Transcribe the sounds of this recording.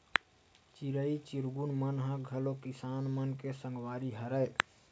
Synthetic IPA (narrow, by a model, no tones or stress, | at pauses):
t͡ʃiɾəit͡ʃiɾɡunmənɦə̃ɡʱəlokisanmənkesəŋɡʋaɾiɦəɾəj